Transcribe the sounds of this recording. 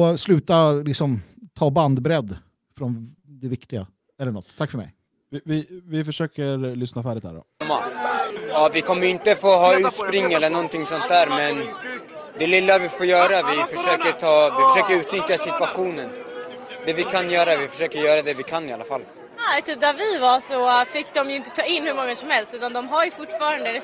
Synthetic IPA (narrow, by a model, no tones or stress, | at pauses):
ɔslʉ̟ːt̪alɪksɔmt̪ʰɑːband̪bɾɛd̪ː | fɾɔnd̪ɛvɪkt̪ɪɡa | ɛlːəɳɔt̪ʰːakːfœɾmɛ̰j | vɪvɪvɪfœʂøːkəɾlʏsnafæːɖɪt̪̚d̪æ̰ːɖɔ̰mːa̰jɑːvɪkʰɔmːəjɪnt̪əfoːɦɑːʉ̟t̪spɾɪŋːɛlːəɳɔnt̪ʰɪŋsɔnt̪̚d̪æːɾmɛn | d̪ɛlɪlːavɪfoːɾjœːɾavɪfœʂøːkəɾt̪ʰɑːvɪfœʂøːkəɾʉ̟ːt̪nʏt̪jasɪt̪vaɧuːnən | d̪ɛvɪkʰanjœːɾavɪfœʂøːkəɾjœːɾad̪ɛvɪkʰanːɪalːafal | at̪ʰyːp̚d̪æɾvɪvaʂɔfɪkːd̪ɔmjɵɪnt̪ət̪ʰɑːɪnːhɵmɔŋːasɔmhɛlst̪ʉ̟ːt̪and̪ɔmɦaɾjɵfʊʈːfɑːɾand̪əd̪ɛ